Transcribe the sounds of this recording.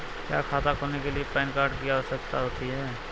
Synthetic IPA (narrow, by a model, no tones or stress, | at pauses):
kja̰ːkʰaːt̪akʰoːnekeliepɛːnkaːɾɖkijaosəkt̪aɦoːt̪iɦɛː